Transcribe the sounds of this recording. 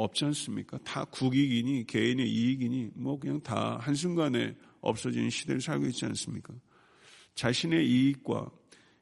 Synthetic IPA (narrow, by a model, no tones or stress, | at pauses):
ʌp̚t͡ɕ͈ians͈ɯmɲik͈atakuɡiɡiɲike̞ine̞ʔiiɡiɲimwʌkɯɲaŋta̰hans̬ʰuŋɡane̞̰ | ʌ̰p̚s͈ʌd͡ʑinnɕʰide̞ɾɯɭsʰaɭɡoit̚t͡ɕ͈ia̰ns͈ɯmɲik͈a | t͡ɕaɕʰine̞iik̚k͈wa̰